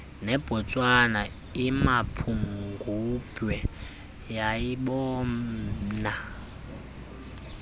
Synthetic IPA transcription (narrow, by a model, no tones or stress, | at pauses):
nɛb̥ʱɔt͡sʼwana | imapʰuŋɡʱub̥ʱwɛ | jajiɓɔː | na